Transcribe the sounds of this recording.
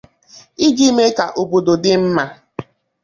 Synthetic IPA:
i˦d͡ʒi˦me˦ka˨ʔo˨bo˨do˨dɪ˦m̩˦ma˦

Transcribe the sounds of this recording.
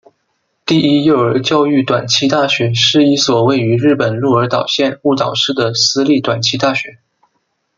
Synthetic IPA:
t̪i˥˩i˥jo˥˩ʊə˞˧˥t͡ɕjɑ˥˧ʊy˥˩t̪wa˨˩nt͡ɕʰi˥t̪a˥˩ɕɥɛ˧˥ʂɻ̩˥˧i˥˩swɔ˨˩we˥˩ɪy˧˥ɻɻ̩˥˩pə˨˩nlu˥˩ə˞˧˥t̪ɑ˨˩ʊɕjɛ˥˧nu˥˩t̪ɑ˨˩ʊʂɻ̩˥˩d̪ə˩sɹ̩˥li˥˩t̪wa˨˩nt͡ɕʰi˧˥t̪a˥˩ɕɥɛ˧˥˦

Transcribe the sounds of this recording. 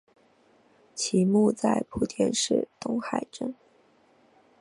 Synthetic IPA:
t͡ɕʰi˧˥mu˥˧t͡sa˥˩ɪpʰu˨˧˥t̪ʰjɛ̰˥˧nʂɻ̩˥˩t̪ʊ˥ŋxa˨˩ɪʈ͡ʂə˥n

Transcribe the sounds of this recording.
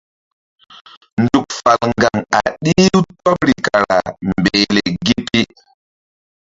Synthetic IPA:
ndu˨k̚fa˨lŋɡa˨ŋa̰˨ɗi˦u˦twa˦pɾi˨ka˨ɾa˨mbe˨le˨ɡi˦pi˦

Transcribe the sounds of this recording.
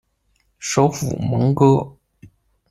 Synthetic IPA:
ʂo˧˥ʊfṵ˨˩mɤ˧˥ŋkɤ˥

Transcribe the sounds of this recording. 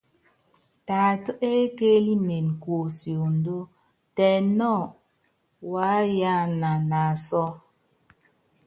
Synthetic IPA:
ta˨tə˦ʔe˦ke˦li˦ne˨n˨kwo˨sjo˨n˦do˦ | tɛ˨nɔ˦˨ | wa˨˦ja˦na˨na˨sɔ˦

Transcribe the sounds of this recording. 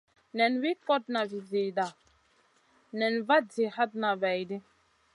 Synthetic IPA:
nɛ˨nwi˦kɔ˦t̚na˨vi˨zi˨da˨ | nɛ˨nva˦di˨ha˦d̚na˨vɛ˨jdi˦

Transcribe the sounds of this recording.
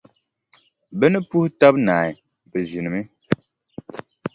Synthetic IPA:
bɛ˦nɨ˦pu˦hta˦bnaː˨i˨ | bɨ˨ʒi˨nɨ˨mi˦

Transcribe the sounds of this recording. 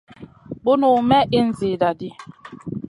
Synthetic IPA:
bo˦nu˨mɛ˦ʔi˦n̩˦zi˨da˨di˦

